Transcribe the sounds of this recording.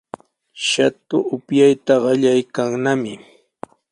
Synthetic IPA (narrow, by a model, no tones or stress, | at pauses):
ʃat̪ʊʔʊpjajt̪aɢɑʎajkaŋnamɪ